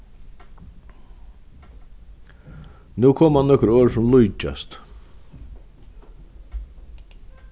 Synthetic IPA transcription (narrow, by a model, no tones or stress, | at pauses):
nuːkʰoːmhanːɔhkɾøːɾsʊmlujt͡ʃa̰st̪